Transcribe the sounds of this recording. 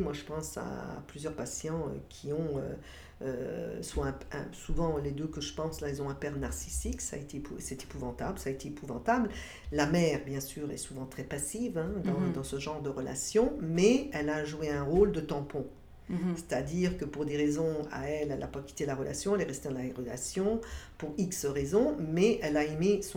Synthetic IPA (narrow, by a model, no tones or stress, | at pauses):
mwaʒəpɑ̃sa̰plyzjœʁpasjɑ̃ø̰kʲʰiɔ̃ø̰ | ø̰swɔ̃ɛ̃ɛ̰̃suvɑ̃led̪økəʒəpɑ̃slaɛlzɔ̃ɛ̃pɛʁnaʁsisiksa̰et̪epusɛt̪e̥puvɑ̃t̪ablsaːet̪eepuvɑ̃t̪abl | lamɛːʁbjɛ̃syːʁɛ̰suvɑ̃t̪χɛpasivɛ̃d̪ɑ̃d̪ɑ̃səʒɑ̃ʁd̪əʁəla̰sjɔ̃mɛɛlaʒueɛ̃ʁold̪ət̪ɑ̃pɔ̃ | se̥t̪ad̪iʁkəpuʁd̪eʁezɔ̃a̰ɛlɛla̰pakʲi̥t̪elaʁəlʔa̰sjɔ̃ɛlɛʁɛst̪ed̪ɑlaʁəla̰sjɔ̃puʁiksəʁezɔ̃mɛɛlaemesɔ̃